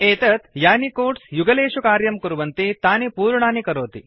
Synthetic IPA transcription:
eːt̪ɐt̪jaːnikoːʈsjuɡɐleːʃukaːɾjɐmkuɾuʋɐnt̪it̪aːnipuːɾɳaːnikɐɾoːt̪ḭ

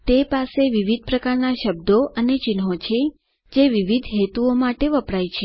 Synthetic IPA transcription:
t̪epaseʋiʋid̪̚ʱpɾəkaɾnaʃəb̚d̪oʔənet͡ʃɪnɦot͡ʃʰe | d͡ʒeʋiʋid̪ʱɦet̪uomaʈeʋəpɽajt͡ʃʰe

